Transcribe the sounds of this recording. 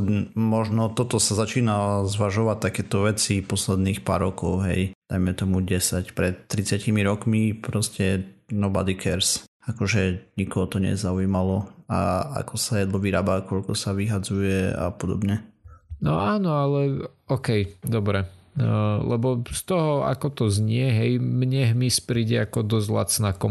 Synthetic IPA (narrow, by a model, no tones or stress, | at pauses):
mɔʒnɔt̪ɔt̪ɔsazat͡ʃiːnazʋaʒɔʋac̚t̪akɛːt̪ɔʋɛt͡sipɔslɛd̪niːxpa̰ɾːɔkɔʊɦɛ̰jd̪̥ajmɛt̪ɔmuɟɛsacpɾɛt̪ːɾit͡sɪacimiɾɔkmipɾɔscɛnɔba̰d̪ikʰɛɾs | akɔʒɛɲikɔɦɔt̪ɔɲɛ̰zauimalɔaa̰kɔsajɛd̪lɔʋiɾaːbakɔʎkɔsaʋiɦad͡zujɛa̰pɔd̪ɔ̰bɲɛnɔaːnɔalɛɔkɛjd̪ɔbɾɛ | lɛbɔst̪ɔɦɔa̰kɔt̪ɔzɲɪɛɦɛjmɲɛɦmispɾiːɟɛakɔd̪ɔzla̰t͡snakɔ